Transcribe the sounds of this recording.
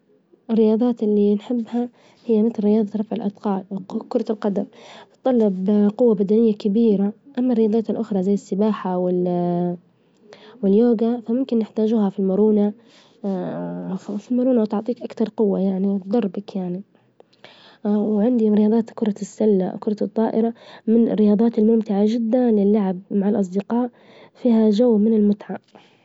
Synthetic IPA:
ɪrːɪjɑːd̪ˤɑːt̪ɪlːinħɪbːha | hɪjːamɪt̪lːɪjɑːd̪ˤɑɾˤɑfʕɪlʔɑd̪qɑːlwkʊɾˤɑlqɑd̪amt̪ˤːɑlːɪbqʊwːabad̪anɪjːakabiːɾaʔamːarɪjɑːd̪ˤɑːt̪ɪlʔʊxɾˤɑzajːɪsːɪbaːħawɪl | wɪljoːɡafamʊmkɪnːɪħt̪aːd͡ʒuːhafilmʊɾuːna | filmʊɾuːnawt̪ʊʕt̪ˤiːkʔakt̪ɑɾˤqʊwːajaʕniwt̪d̪ˤɑɾˤbakjaʕni | wʕɪnd̪iɾɪjɑːd̪ˤɑːt̪kʊɾˤɑsːalːa̰kʊɾˤɑt̪ˤːɑːʔɪɾamɪnɪ̰rːɪjɑːd̪ˤɑːt̪ɪlmʊmt̪ɪʕad͡ʒɪd̪ːanlɪlːaʕab̚maʕalʔɑs̬ˤd̪ɪqɑːʔ | fiːhaʒawːmɪnɪlmʊt̪ʕaʔ

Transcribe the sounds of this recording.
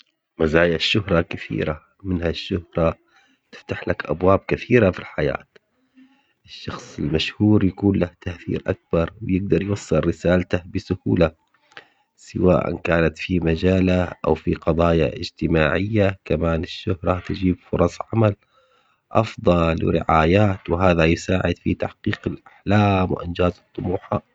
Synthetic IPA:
mazaːjaʃːʊhɾˤɑkɪθḭːɾa | mɪnhaʃːʊhɾˤɑ | t̪ɪ̥ft̪aħlakʔa̰bwaːb̚kɪθiːɾafilħaja̰ːt̪ | ʔɪʃːɑxsˤɪlmaʃhuːɾjakuːnlaht̪aʔθḭːɾʔa̰k̚bɑɾˤwɪjɪɡ̚d̪ɑɾˤjwɑsˤːɨlːɪsaːlat̪abɪsʊhuːla | sɪwaːʔa̰nkaːnat̪fimad͡ʒaːlaʔa̰wfiqɑðˤɑːja̰ʔɪ̰d͡ʒt̪ɪmaːʕɪjːakamaːnɪʃːʊhɾˤɑt̪ɪd͡ʒiːbfʊɾˤɑsˤʕamal | ʔɑfðˤɑlwɪ̰ɾɪ̰ʕaːjaːt̪wɪɦaːðajʊsaːʕɪd̪fit̪aħqiːqɪlʔaħlaːmwɪʔɪnd͡ʒaːzɨt̪ˤːʊmuːħa

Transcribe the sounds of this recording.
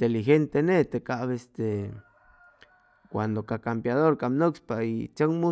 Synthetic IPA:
t̪elixent̪enet̪ekaβest̪e | kʷand̪okakampjaðoɾkamnokspait͡ʃaŋmu

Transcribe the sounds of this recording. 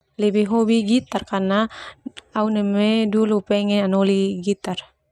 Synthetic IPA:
lɛbiɦobiɡit̪arkana | aunɛmedulupɛŋɛanoliɡit̪ar

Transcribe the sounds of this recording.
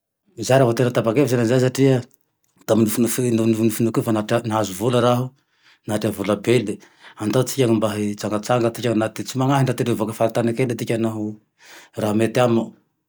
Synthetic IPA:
izajɾavat̪enət̪apakevizanazajs̬aʈ͡ʂia | t̪aminufunufnunufunufunukufanaʈ͡ʂanaɦazuvuləɾaɦu | naʈ͡ʂavulabele | and̪at͡sikʲaŋimbaɦit͡saŋɡat͡saŋɡət͡s̪ikʲaŋnat̪it͡simaŋaɦiɳɖ͡ʐat̪iɾevakəfaɾit̪anikelat̪ikʲanaɦu | raɦumet̪ama

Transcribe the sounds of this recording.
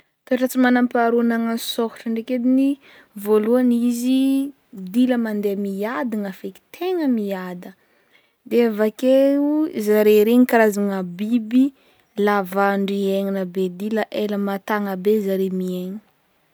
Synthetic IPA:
t̪oʈ͡ʂat͡simanampaɾunaŋansoku̥ʈ͡ʂəɳɖ͡ʐeked̪ini | voluanizi | d̪iləmand̪emiad̪iŋafeki̥t̪ʰeŋəmiad̪ə | d̪eavakeuzaɾeɾeŋikaɾazaŋabibi | lavaɳɖ͡ʐieŋinəbed̪iləʔeləmat̪aŋəbezaɾemieɲi̥

